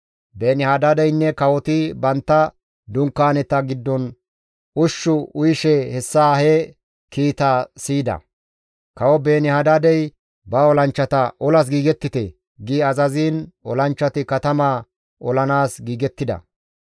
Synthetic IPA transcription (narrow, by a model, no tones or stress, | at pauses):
beːnɪhɐd̪ad̪ɛjnːɛkɐwɔt̪ɪbɐnt̪ːɐ | d̪ʊŋkːaːnɛt̪ːɐɡɪd̪ːɔn | ʊʃːʊʊjʃɛhɛsːaːhɛ | kiːt̪aːsiːd̪ɐ̰ | kɐwɔbe̞ːnɪhɐd̪ad̪ɛj | bɐɔlɐnt͡ʃːɐt̪ɐʔɔlɐs̬ɡiːɡɛt̪ːɪt̪ɛ | ɡiɐzɐziːnɔlɐnt͡ʃːɐt̪ɪkɐt̪ɐmaː | ɔlɐnaːsɡiːɡɛt̪ːɪd̪ɐ̰